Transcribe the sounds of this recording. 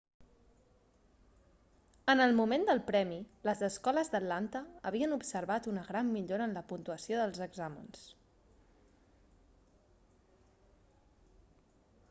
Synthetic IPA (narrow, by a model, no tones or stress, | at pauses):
ənəlˠmumend̪əlˠpɾɛmiləzəskɔləzd̪ət̪lant̪əəβ̞iənupsəɾβat̪unəɣɾamːiʎoɾəːnləpunt̪uəsioðəlˠzəɡzamə̰ns